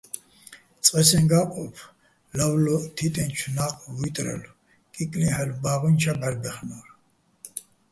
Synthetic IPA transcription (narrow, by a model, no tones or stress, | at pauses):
t͡sʼqʼɛsɛnɡaqʼɔpʰ | lavlɔt̪ʰit̪ʼɛnt͡ʃʰnaqʼvit̪ʼɾɛ̰lu | kʼikʼlihɛlubaːʁɔnt͡ʃʰabɛɾb̪ɛχnɔɾ